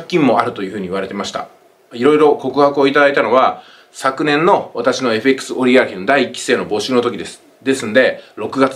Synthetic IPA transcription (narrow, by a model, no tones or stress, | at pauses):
kʲːĩmːo̞aɾɯ̟t̪o̞jɯ̟ɸɯ̟ːɲ̟iβaɾe̞t̪e̞maɕi̥t̪a̰ | iɾo̞iɾo̞ko̞kɯ̟hakɯ̟o̞it̪ad̪ait̪ano̞βa | sakɯ̟nẽ̞nːo̞βat̪aɕino̞e̞ɸɯekːɯ̥sɨo̞ɾʲiaçʲind̪aiːkʲi̥se̞ːno̞bo̞ːɕɨːno̞t̪o̞kʲid̪e̞sɨ̥ | d̪e̞sɨ̃nod̪e̞ɾo̞kɯ̟ɡat͡s